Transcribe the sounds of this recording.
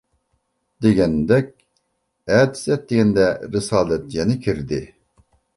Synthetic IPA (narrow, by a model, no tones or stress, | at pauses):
d̪eɡʲɛnd̪ɛk̚ʲ | ɛt̪zɛt̪̚d̪eɡʲɛnd̪ɛɾɨsɑːlɛt̪jɛnɪkʲʰiɾd̪ɪ